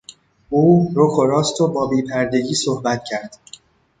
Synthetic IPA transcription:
ʔuːɾokʰoɾɒːst̪ʰobɒːbiːpʰæɾd̪e̞ɡiːsohbæt̪̚ʰcʰæɾd̪̥

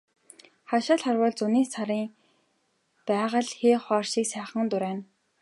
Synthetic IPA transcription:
χaʃaːɮχarwəːɮt͡sʊniːsaɾiːŋ | pæːʁə̆ɮxeːχɔːrʃiːksæːχə̆ŋt̪ʊɾæːn

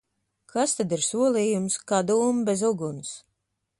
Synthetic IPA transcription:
kʰast̪ad̪iɾsuɔlˠiːjumskad̪uːmbezuɡuns

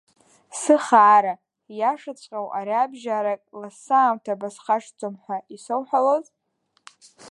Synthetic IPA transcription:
sɨχaːɾa | jaʂɨt͡sʷʼqʲʼawʔaɾiabʒaɾakʼlasaːmtʰabasχaʂd͡zʼomħʷaisowħʷaloz

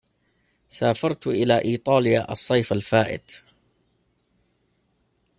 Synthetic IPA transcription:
saːfɑɾˤt̪ʔɪlaːʔiːt̪ˤɑːljaːʔɑ̰sˤːɑjfalfaːʔɪ̰d̪

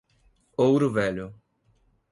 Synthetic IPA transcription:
owɾʊvɛʎʊ

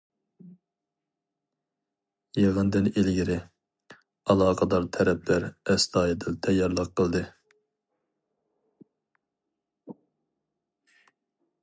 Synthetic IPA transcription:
jeʁənd̪ɪnelɡʲiɾɪ | ɑlˠɑːqʰɑd̪ɑɾt̪ʰɛɾɛp̚læɾɛst̪ɑːjɨd̪ɪlt̪ʰɛjːɑɾlˠəqʰːəlˠd̪ɨ

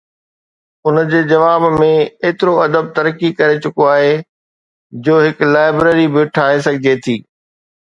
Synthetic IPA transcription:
ʊnd͡ʑeːd͡ʑɐʋaːbmẽeːt̪ɪɾoɐd̪əb̚t̪ɐɾkikɐɾet͡ɕʊkoaːɦe | d͡ʑoːɦɪklaːɪbɾeːɾibɪʈʰaːɦes̬ɐɡʱɪd͡ʑet̪ʰiː

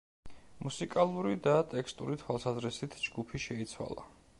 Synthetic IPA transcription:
musikʼalˠuɾid̪at̪ʼɛkʰst̪ʼuɾit̪ʰwalˠsazɾisit̪ʰd͡ʒɡupʰiʃɛit̪sʰwa̰lˠa̰

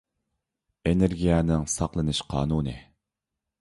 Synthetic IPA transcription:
eneɾɡʲijɛnɪŋsɑqlˠɨnɨʃqʰɑ̰ːnuːnɨ̰

